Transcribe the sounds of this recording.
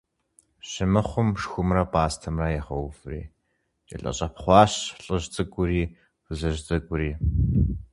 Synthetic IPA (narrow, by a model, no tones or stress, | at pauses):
ɕɪmɨχʷʊmʂxʷʊmrɐpʼaːstʰɐmrɐjɛχɐwfɨrḭː | t͡ʃʼɐ̰ɬʼɐ̰ɕʼɐpχʷɑːɕɬʼɨʑt͡sʼɨkʷʼʊɾiː | fɨzɐʒt͡sʼɨkʷʼʊɾiː